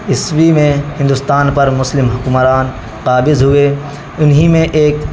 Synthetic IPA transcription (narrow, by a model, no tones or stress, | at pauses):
ɪswimẽɦɪ̃nd̪ʊst̪aːnpɐɾmʊslɪmɦʊkʊmɾaːn | qaːbɪzɦʊe | ʊnɦimẽʔeːk